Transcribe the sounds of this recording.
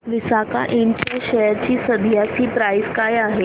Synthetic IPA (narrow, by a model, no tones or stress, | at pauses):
ʋisaka̰ʔeɳt͡ɕjaɕɛjəɾt͡ɕiːsəd̪ʱjasiːpɾajskajaɦe